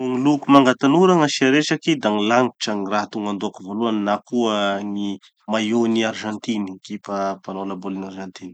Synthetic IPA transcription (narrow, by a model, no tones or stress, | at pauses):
uŋilukumaŋɡat̪anuɾaŋaʃiaɾesakid̪aŋilaŋi̥ʈ͡ʂaŋiraɦat̪uŋɡand̪uakivoluannakuəŋi | majoniarʒãnt̪inikipapanolabolinarʒant̪ini̥